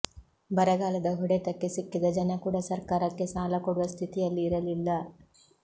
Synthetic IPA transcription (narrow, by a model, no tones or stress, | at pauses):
bɐɾɐɡaːlɐd̪ɐɦuɽet̪ɐkːesikːid̪ɐd͡ʒɐnɐkuːɽɐsɐɾkaːɾɐkːe̞saːlɐkoɽuʋɐst̪ʰit̪ijɐlːiːɾɐlilːɐ